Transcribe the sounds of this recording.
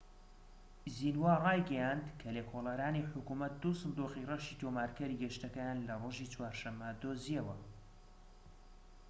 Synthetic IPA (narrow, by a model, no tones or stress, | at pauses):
zinwarɑːjɡɐjand̪kʰɐlekʰolˠaɾaːniħʊkumɐt̪̚d̪uːsɨnd̪uqirɐʃiːt̪ʰoːmaːɾkɐɾiɡɛʃt̪ɐkɛjaːnlɐroːʒit͡swaːɾʃɐmːɐd̪ozijɛwɐ